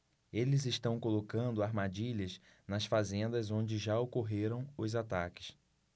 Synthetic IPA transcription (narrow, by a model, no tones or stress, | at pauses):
elɪzɪʃt̪ɐ̃w̃kolokɐ̃nd̪ʊaɾmad͡ʒiʎɐz | nɐsfazẽnd̪ɐzõd͡ʒɪʒaokoɦeɾɐ̃w̃ʊzat̪akɪ̥s